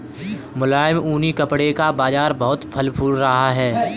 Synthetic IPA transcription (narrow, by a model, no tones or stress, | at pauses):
mʊlaːɪmuːnikɐpɽekabaːzaːɾbɐɦʊt̪pʰɐlpʰuːlɾɐɦaɦɛː